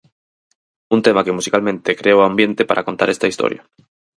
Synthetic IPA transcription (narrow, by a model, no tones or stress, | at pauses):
unt̪emakemusikalmẽnt̪ekɾeoambjent̪epaɾʔakont̪aɾest̪aist̪o̰ɾja̰